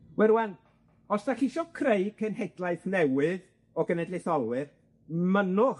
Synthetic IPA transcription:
wɛɾwan | ɔsd̥aɬiʃɔkʰrejkʰənɦɛdlˠajθnɛwɨð | ɔɡənɛdlɪθɔlˠwɨr | mənʊ

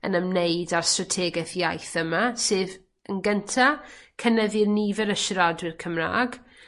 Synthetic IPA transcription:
ə̰nəmnejdarstratʰɛːɡɛθjajθəmasɨːv | ənɡəntʰakʰənɛvirnivɛɾəʃrɔdwɪrkʰəmra̰ːɡ

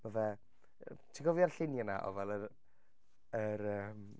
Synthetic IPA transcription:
vəvɛ | tʰiɡɔviarɬɪnjanaʔɔ̰vɛlˠər | əɾəm

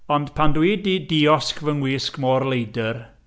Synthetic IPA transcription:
ɔnd̥pʰandwiːdidiɔskvəŋwiːskmɔːrlejdər

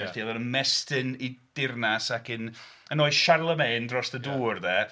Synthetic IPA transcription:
ɛstiɛðˠɔnənmɛstɪnid̥ɪrnasakɨnənoːɨʃarlˠəmendrɔsðəduːrðɛ

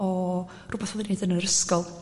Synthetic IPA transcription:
ɔ | rʊːbɛθɔvɪnedənəɾəskɔlˠ

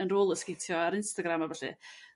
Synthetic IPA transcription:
ənroːlˠəskejtʰjɔaɾɪnstaɡɾamavɛɬɪ̰

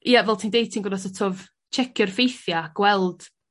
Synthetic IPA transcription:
ijavɛlˠtʰiːndejtʰinŋɡɔnasɔtʰov | t͡ʃʰɛkʰjɔrfejθjaɡ̥wɛlˠd̥

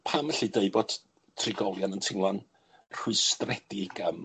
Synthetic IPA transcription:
pʰaməɬideɨbɔd̥ | tʰrɪɡɔlˠjanəntʰɪŋlˠan | r̥ʊɨstrɛd̥ɪɡ̥am

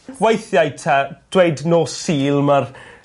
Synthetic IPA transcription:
wejθjajtʰad̥wejdnoːsiːlˠmar

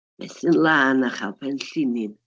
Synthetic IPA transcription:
mɛ̰sinlanaχa̰pʰɛn̩ɬinin

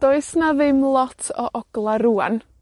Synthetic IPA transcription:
d̪̥ɔjsnavɪmlˠɔt̪ʰoʔɔɡ̥lˠaɾuːə̰n

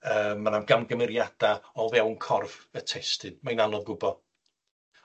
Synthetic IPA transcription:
əːmːanamɡamɡəmɪɾjad̥aɔlˠvɛwnkʰɔrv̥ətʰɛstɨnmajnanɔðɡʊbɔ

